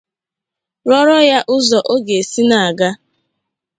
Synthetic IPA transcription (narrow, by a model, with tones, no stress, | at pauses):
ɾɔ˦ɾɔ˦ja˦ʔʊ˦zɔ˨ʔo˦ɡe˨si˦na˨a˨ɡa˦